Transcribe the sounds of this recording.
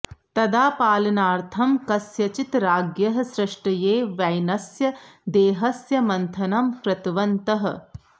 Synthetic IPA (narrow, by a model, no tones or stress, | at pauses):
t̪ɐd̪aːpaːlɐnaːɾt̪ʰɐmkɐsjɐt͡ʃit̪ɾaːɡjɐɦɐ̆sɾɐʂʈɐjeːʋɐjnɐsjɐd̪eːɦɐsjɐmɐnt̪ʰɐnɐmkɾɐt̪ʋɐnt̪ɐɦɐ̰̆